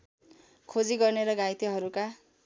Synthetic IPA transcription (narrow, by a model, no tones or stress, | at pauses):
kʰod͡ziɡʌrneɾʌɡajt̪iɦʌɾuka